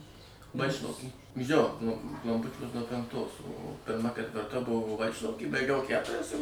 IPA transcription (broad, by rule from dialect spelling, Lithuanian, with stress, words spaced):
mɐˈʃʲɪnoːs joː nʊ klˠɐmˈpʊt͡ʃʲuɔs nuɔ pʲɛŋˈktoːs oː pʲɪrˈmɐ kʲɛtʲʋʲɪrˈtɐ ˈbʊʋoː ˈʋɐɪt͡ʃlˠɐʊkʲiː bɐɪˈɡʲɛʊ ˈkʲætʊrʲɛs ɪr